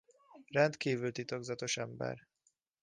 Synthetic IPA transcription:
rɛnt̪kiːvylt̪it̪o̞ɡzɒt̪o̞ʃɛmbɛ̰r

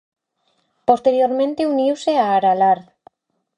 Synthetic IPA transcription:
post̪eɾjoɾmẽnt̪euniwseaːɾalaɾð

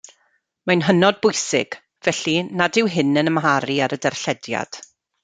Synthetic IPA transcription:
manɦənɔd̚bʊjsɪ̰ɡ̥ | vɛɬinadɪwɦɪnənəmɦaɾiaɾədɛrɬɛdja̰d̥

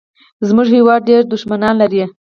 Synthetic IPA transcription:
zmʊʐhewɑd̪̚ɖeɾd̪ʊʃmanɑnlaɾie

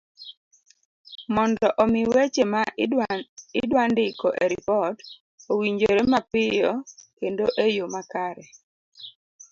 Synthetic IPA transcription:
mɔndɔʔɔmɪwet͡ʃema | ɪdwandɪkɔʔeɾipɔt | owiɲd͡ʒoɾemapɪjɔkendoʔejomakaɾɛ

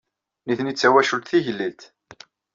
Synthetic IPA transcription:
niθnit͡sːæwæʃult̪θiʝlːilt̪

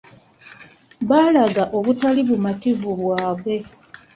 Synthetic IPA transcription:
βaːlaɡaʔo̞βutaliβumativuβwaːβe̞

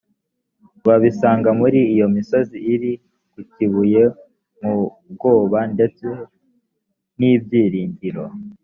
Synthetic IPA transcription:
βaβisaːŋɡamuɾiːjo̞miso̞ziːɾi | kuciβuje̞ | mub̚ɡo̞ːβande̞t͡se̞ | nibɟiːɾiːɲdiɾo̞

